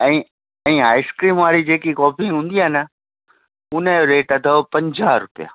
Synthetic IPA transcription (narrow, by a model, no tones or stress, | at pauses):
ɛ̃ː | ɛ̃ːaːɪskɾiːmʋaːɾid͡ʑeːkikɔːpʰiɦũːnd̪iaːnə | ʊnəjoɾeːʈɐd̪ʱəpɐ̃ɲd͡ʑaɾʊpija̰ː